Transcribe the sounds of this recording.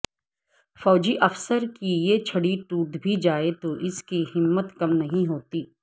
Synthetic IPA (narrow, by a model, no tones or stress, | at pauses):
fɔːd͡ʒiʔɐfsəɾkijet͡ʃʰɐɽiʈuːd̪bʱid͡ʒaːet̪oʔɪskihɪmːət̪kɐmnɐɦĩɦoːt̪iː